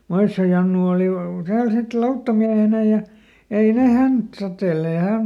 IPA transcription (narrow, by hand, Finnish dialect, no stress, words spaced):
moisːio jɑnːu oːli tæːl sit lɑutːɑmiæhenæ jɑ ei ne hænt totelːeː jɑ hæm